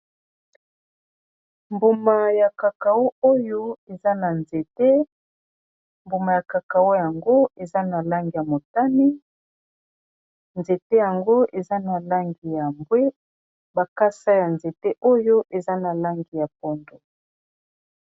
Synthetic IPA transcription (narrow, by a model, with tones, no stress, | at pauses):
mbo˨ma˨ja˨ka˨ka˨wo˦o˦jo˦e˨za˦na˨nze˨te˦ | mbo˨ma˨ja˨ka˨ka˨wo˦ja˨ŋɡo˦e˨za˦na˨la˦ŋɡi˨ja˨mo˨ta˦ni˦ | nze˨te˦ja˨ŋɡo˦ʔe˨za˦na˨la˦ŋɡi˨ja˨mbwe˦ | ba˨ka˦sa˦ja˨nze˨te˦ʔo˦jo˦ʔe˨za˦na˨la˦ŋɡi˨ja˨p̚ɔ˦ndo˨